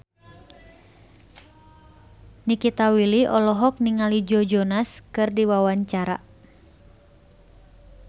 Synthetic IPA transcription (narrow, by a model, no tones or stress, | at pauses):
nikit̪awiliʔɔlɔɦɔk̚niŋalid͡ʒɔd͡ʒɔnaskɨrdiwawaɲt͡ʃaɾa̰